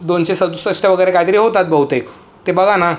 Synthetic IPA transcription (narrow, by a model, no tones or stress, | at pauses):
d̪onɕesəd̪usəʂʈaʋəɡəjɾekaɦit̪əɾiːɦot̪at̪̚bəwt̪ek | t̪ebəɡʱana